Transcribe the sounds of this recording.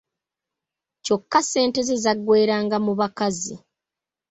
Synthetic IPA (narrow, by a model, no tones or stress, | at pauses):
co̞kːase̞ːnte̞zezaɡːwe̞ːɾaːŋɡamuβakazi